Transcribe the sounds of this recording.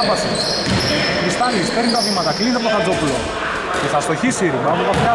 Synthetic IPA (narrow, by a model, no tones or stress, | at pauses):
vɐsi | xɾist̪ɐnispeɾnit̪ɐvimɐt̪ɐklind̪ep̪oθɐd͡zopulo̰ | ceθɐst̪o̞çisiɾimɐmut̪ɐpa